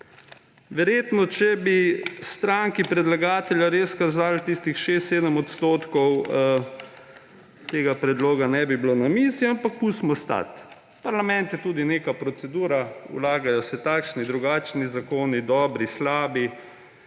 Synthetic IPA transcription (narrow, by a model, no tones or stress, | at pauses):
ʋɛɾjeːt̪nɔt͡ʃɛbist̪ɾaŋkipɾɛd̪laɡaːt̪ɛljaɾeskazaːlt̪ist̪ixʃeːst̪seːd̪əmɔt̪st̪oːt̪kɔw | t̪eːɡapɾɛd̪loːɡanɛbiblonamiːsiampakkusmɔst̪a̰t̪ | paɾlamɛ̃nt̪jɛt̪uːd̪inekapɾɔt̪sɛd̪uːɾaṵlaːɡajɔsɛt̪akʃnid̪ɾuɡaːt͡ʃnizakoːnid̪ɔːbɾislaːbi